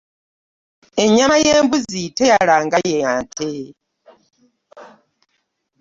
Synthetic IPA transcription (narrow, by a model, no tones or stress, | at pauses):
eɲamaje̞ːmbuzitejalaːŋɡajeantʰe